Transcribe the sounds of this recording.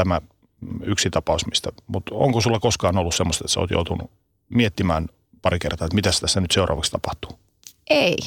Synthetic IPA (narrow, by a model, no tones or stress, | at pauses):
æmæ | yksit̪ɑpɑusmist̪æmut̪o̰ŋkosulːɑkoskɑːnolːussemːost̪et̪seo̰ːt̪jo̰ut̪unṵ | miet̪ːimæːn | pɑɾikert̪ɑːet̪mit̪æst̪æsːænyt̪seurʔɑ̰ːʋɑkst̪ɑpɑht̪u̥ | ei